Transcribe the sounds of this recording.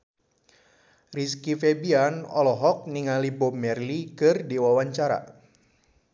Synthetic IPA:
riskifɛbianɔ̰lɔɦɔk̚niŋalibɔmɛrlikɨrdiwawaɲt͡ʃaɾa̰

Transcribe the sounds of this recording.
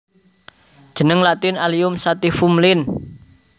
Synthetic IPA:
d̥ʒ̥ə̤nəŋlat̪ɪnaliʊmsat̪ifumlɪn

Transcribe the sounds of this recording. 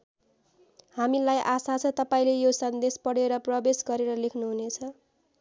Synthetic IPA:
hamilajʔasat͡sʰʌ̃t̪ʌpaĩlejosʌnd̪espʌɽeɾʌprʌbesɡʌɾeɾʌlekʰnuɦunet͡sʰʌ

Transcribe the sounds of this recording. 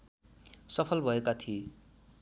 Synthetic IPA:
sʌpʰʌlbʱʌekat̪ʰie

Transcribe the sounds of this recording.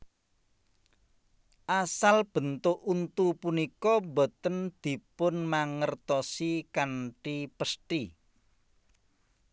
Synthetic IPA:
ʔasalb̥ə̤nt̪ʊʔunt̪upunikɔmbot̪ənd̪̥i̤pʊnmaŋərt̪ɔsikaɳʈipəsʈi

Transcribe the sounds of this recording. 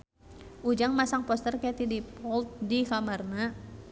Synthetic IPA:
ʔud͡ʒaŋmasaŋpɔst̪ərkɛt̪idipɔlt̪̚dikamarna

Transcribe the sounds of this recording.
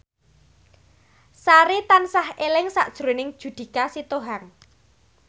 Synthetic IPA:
saɾit̪ansahelɪŋsaʔd̥ʒ̥ɾo̤nɪŋd̥ʒ̥ṳd̪̥i̤kasit̪oɦaŋ

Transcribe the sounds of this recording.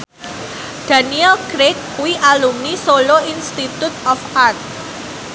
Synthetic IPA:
d̥a̤niɛlkɾek̚ | wiʔalumnisoloinst̪it̪ut̪ɔfart̪̚

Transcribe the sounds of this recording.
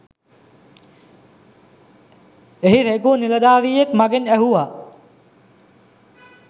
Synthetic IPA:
eɦiɾekuːniləɗ̪aːʋiːekmɐɡenɛɦuːa

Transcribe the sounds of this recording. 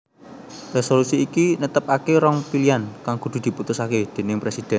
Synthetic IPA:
resolusiːkinət̪əp̚akeɾɔŋpiliankaŋɡ̥o̤d̪̥ṳd̪̥i̤put̪usaked̪̥e̤nɪŋpɾesid̪̥ɛ̤n

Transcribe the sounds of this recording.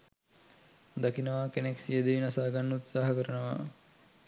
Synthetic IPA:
d̪akinəʋakeneksijəd̪eʋinasaːɡanːəut̪saːɦɐkəɾənəʋa̰

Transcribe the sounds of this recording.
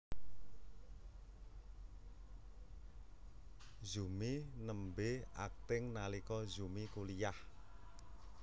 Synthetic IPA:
zuminəmbea̰k̚t̪ɪŋnalikɔzumikulijah

